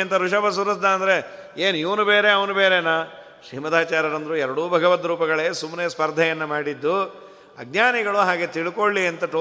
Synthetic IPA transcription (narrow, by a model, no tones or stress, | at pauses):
ɐnt̪ɐɾuʂɐbɐs̬uɾɐsd̪aɐnd̪ɐɾe̞ | eːniʋɐnubeːɾeɐʋɐnubeːɾenaː | ʃɾiːmɐd̪aːt͡ʃaːɾɐɾɐnd̪ɐɾuɛɾɐɽuːbʱɐɡɐʋɐt̪ɾuːpɐɡɐɭeːsumneːspɐɾd̪ʱɐjɐnːɐmaːɽid̪ːu | ɐɡ̚naːniɡɐɭuɦaːɡet̪iɭikoɭːiɐnt̪ɐʈoː